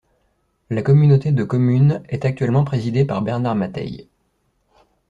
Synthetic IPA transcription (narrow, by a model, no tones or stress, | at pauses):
lakɔmynot̪ed̪əkɔmynɛt̪ak̚t̪ɥɛlmɑ̃pχezid̪epaʁbɛʁnaʁmat̪ɛ̰j